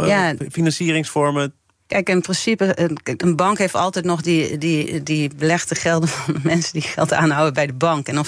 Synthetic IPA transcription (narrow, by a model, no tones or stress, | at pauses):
jafinansiəɾɪŋsfɔɹmə | kɛjkɪnprɪnsipəʔənbɑŋkheːftɔlˠtɛjtnɔxdididibəlɛxtəxɛlˠdənfɔnəmɛnsədixɛlˠta̰ːnɦawəbɛjdəbɑŋkɛnɔ